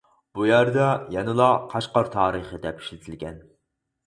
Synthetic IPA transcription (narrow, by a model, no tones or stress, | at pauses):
b̥ujæɾd̪ɑjɛnɨlˠɑqʰɑʃqɑɾt̪ʰɑːɾɨχəd̪ɛpi̥ʃlɪt̪ʰɪlɡʲɛn